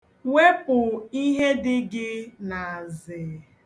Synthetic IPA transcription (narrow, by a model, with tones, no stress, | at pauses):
we˦pʊ˨i˦ɦe˦dɪ˦ɡɪ˦na˨a˨zɪ˨